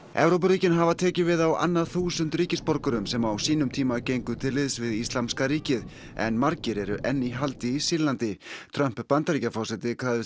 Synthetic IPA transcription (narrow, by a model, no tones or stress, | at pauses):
ɛ̰vɾowp̬aɾiːcɪnɦavat̪ʰɛːcɪvɪðawa̰nːaðθuːsʏnt̪ɾiːcɪspɔɾkʏɾʏmsɛmawsiːnʏmt̪ʰiːmacejŋkʏt̪ʰɪlɪðsvɪðist̪lamskaɾiːcɪð | ɛ̰nmaɾcɪɾɛɾʏʔɛnːiɦalt̪ɪːsɪlant̪ɪt̪ʰɾœm̥ppant̪aɾiːcafɔwsɛt̪ɪkʰaːðɪ